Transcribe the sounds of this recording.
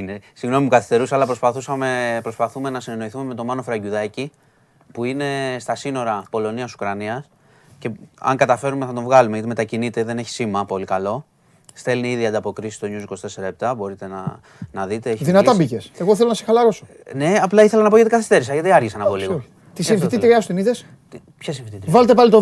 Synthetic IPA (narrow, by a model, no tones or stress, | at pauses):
inesiɣno̞mimukɐθist̪e̞ɾusɐlɐpɾospɐθusɐmepɾo̞spɐθume̞nɐsine̞no̞iθume̞me̞t̪o̞mɐno̞fɾɐʝuðɐci | puine̞st̪ɐsino̞ɾɐpo̞lo̞niɐsu̥kɾɐniɐs | ce̞ɐ̰ŋkɐt̪ɐfe̞ɾumeθɐt̪ovɣɐlumeʝɐt̪ime̞t̪ɐcinit̪e̞ðe̞ne̞çi̥simɐpo̞likɐlo̞ | st̪e̞lniiðiɐnd̪ɐpo̞kɾisi̥st̪o̞ɲuziko̞st̪e̞se̞ɾɐep̚t̪ɐbo̞ɾit̪e̞nɐ | nɐðit̪eeçðinɐt̪ɐbiceseɣo̞θe̞lonɐsexɐlɐɾo̞so | ne̞ɐplɐiθelɐnɐpo̞ʝɐt̪ikɐθi̥st̪e̞ɾis̬ɐʝɐt̪iɐɾʝisɐnɐpoliɣo | t̪isinfit̪it̪ɾiɐsu̥t̪iniðes | pçɐsifit̪it̪ɾivɐlet̪epɐlit̪o